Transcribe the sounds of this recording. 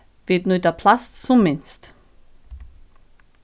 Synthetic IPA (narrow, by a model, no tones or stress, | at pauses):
vɪtnudeɐpʰlast͡sumɪnst